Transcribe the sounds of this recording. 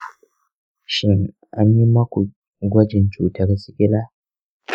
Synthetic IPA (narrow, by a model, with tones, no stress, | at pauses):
ʃɪ˦ŋ | ʔa˦ɲji˦mɐ˦kʷu˨ | ɡʷɐ˦d͡ʒɪ˨nt͡ʃuː˨tɐ˦rsɪ˦kʲɪ˦laː˦